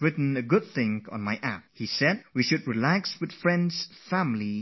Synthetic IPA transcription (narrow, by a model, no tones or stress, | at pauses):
ɹɪtn̩ɨɡʊd̪̚θɪ̃ŋɔ̰̃nmaɪʔæp̚hisɛd̚wiʃʊd̚ɹilækswɨð̥fɹɛ̃ndsfæ̃mli